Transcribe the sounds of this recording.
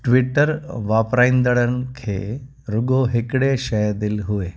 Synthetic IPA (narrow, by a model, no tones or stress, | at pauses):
ʈʋɪʈəɾʋaːpɾaĩːnd̪əɽənɪ̆kʰḛː | ɾʊɡoɦɪkɪɽeʃəjd̪ɪlɦʊeː